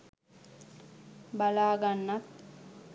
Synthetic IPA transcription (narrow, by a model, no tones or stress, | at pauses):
balaːɡanːat̪